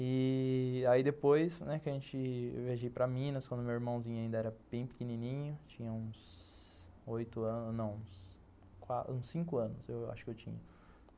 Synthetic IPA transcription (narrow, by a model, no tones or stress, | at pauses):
ɪ | aid̪epojsnɛkɪɐʒẽt͡ʃɪ̰wveʒejpɾɐmĩnɐskwɐ̃nd̪ʊmewiɾmɐ̃w̃zĩɲʊaĩd̪ɐɛɾɐb̥ẽj̃pɪ̥keninĩɲʊt͡ʃĩɲɐũs | ojt̪ʊɐ̃nnɐ̃w̃ũs | kaũsĩkʊɐ̃nʊsewa̰ʃʊ̥kɪewt͡ʃḭ̃ɲɐ